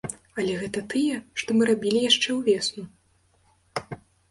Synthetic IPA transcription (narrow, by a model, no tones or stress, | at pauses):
ɐlʲɛɣɛt̪ɐt̪ɨjɛʂt̪ɔmɨɾabʲilʲijaʂt͡ʂɛwvʲɛsnu